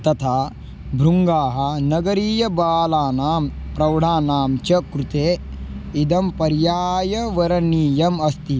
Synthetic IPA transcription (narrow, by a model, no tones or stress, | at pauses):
t̪ɐt̪ʰa | bʱɾuŋɡaːɦɐ̆nɐɡɐɾiːjɐbaːlaːnaːmpɾɐwɽaːnaːmt͡ʃɐkɾut̪eː | id̪ɐmpɐɾjaːjɐʋɐɾɐniːjɐmɐst̪i